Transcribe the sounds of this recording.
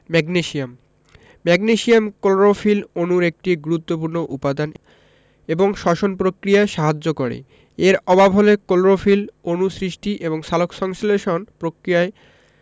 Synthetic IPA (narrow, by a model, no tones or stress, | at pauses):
mɛɡneʃiam | mɛɡniʃiamkolɾofilonuɾek̚ʈiɡuɾut̪ːop̬uɾnoʔupad̪an | eboŋʃɔʃonpɾokɾijaʃaɦad͡ʑːokoɾḛ | eɾɔbabʱɦolekolɾofilonusɾiʃʈiʔeboŋʃalokʃɔŋsleʃonpɾokɾijae